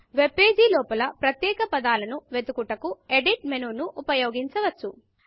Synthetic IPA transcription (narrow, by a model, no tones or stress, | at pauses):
ʋe̞pːe̞ːd͡ʒilɔːpɐlɐpɾɐt̪jɛːkɐpɐd̪aːlɐnuʋe̞t̪ukuʈɐkueɖiʈ̚menuːnuʔːpɐjoːɡiɲt͡ʃɐʋɐt͡ʃːu